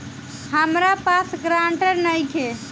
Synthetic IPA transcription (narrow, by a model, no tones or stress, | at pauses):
həmɾapasɡɾaɳʈəɾnəjkʰe